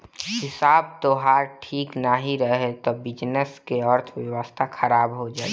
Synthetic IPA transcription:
hɪsaːb̚t̪oɦaːɾʈʰiːknaɦiɾəɦet̪ɔbɪd͡ʒnəskeəɾt̪ʰʋjəwəst̪ʰaxʰəɾaːbɦod͡ʒaː

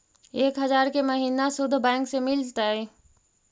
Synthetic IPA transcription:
eːkɦəzaːɾkeməɦiːnasʊd̪ʱbɛ̃ːŋksemɪlt̪ae

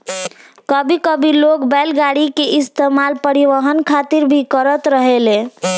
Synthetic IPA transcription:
kəbʱikəbʱilokbɛlɡaɽikeʔist̪emalpəɾiʋəɦənkʰat̪iɾbʱikəɾət̪ɾəɦele

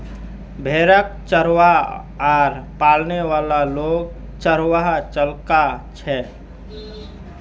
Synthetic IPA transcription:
bʱeːɾək̚t͡ʃəɾwa | aːɾpaːlneʋaːlaloːɡ | t͡ʃəɾwaɦt͡ʃəlkat͡ʃʰɛː

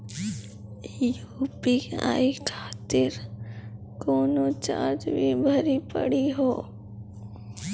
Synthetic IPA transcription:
juːpika̰ːikʰaːt̪ɪɾ | koːnot͡ʃa̰ːd͡ʒbibʱəɾipə̰ɽiɦoː

